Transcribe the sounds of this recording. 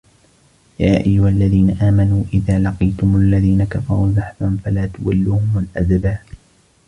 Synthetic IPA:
jaːʔajːʊhalːaðiːnaʔaːmanuːʔɪðaːlɑqijt̪ʊmʊalːaðiːnakafɑɾˤuːðɑħfanfalaːt̪ʊwalːʊːhʊmalʔad̪baːʔ

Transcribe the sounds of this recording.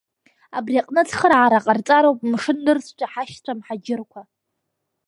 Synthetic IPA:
abriaqʼnɨt͡sʰχəɾaʕaɾaqʼart͡sʼaɾowpʼmʂɨnːɨrsʰt͡ʃʷʰʼaħaʃtʷʰamħad͡ʒɪrkʷʰa

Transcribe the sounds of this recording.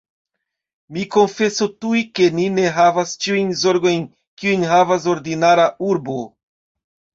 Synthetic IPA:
miko̞nfe̞sotujke̞nine̞ɦavast͡ʃiujnzo̞ɾɡo̞jn | kiujnɦavas̬o̞ɾdinaɾaʔuɾbo̞

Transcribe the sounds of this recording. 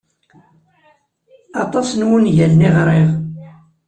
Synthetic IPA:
ɑt̪ˤɑsnwunʝælnɪʁɾˤɪʁ

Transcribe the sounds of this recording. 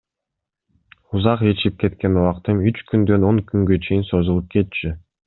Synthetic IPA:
uzɑqe̞t͡ʃip̚ke̞t̪ke̞nuwɑqt̪ɯmyt͡ʃkynd̪ø̞noŋkyŋɡø̞t͡ʃʰe̞jinso̞zulˠup̚kʰe̞t̪̚t͡ʃi

